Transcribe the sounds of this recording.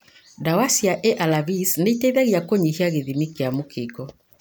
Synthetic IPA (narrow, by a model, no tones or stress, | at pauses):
dawasiaʔeʔalavisneiteiðaɣiakoɲihiaɣeðimikeamokekɔ